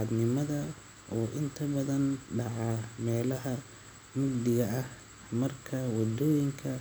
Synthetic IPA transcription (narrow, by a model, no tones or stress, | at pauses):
d̪nɪmɐðɐ | ʔɔːʔɪnt̪ʰɐbɐðɐnɖɑʕɑmɛːlɐɦɐ | mʊɡ̚d̪ɪɣɐɐh | mɐrkʰɐwɑd̪ɔːjɪŋkʰɐ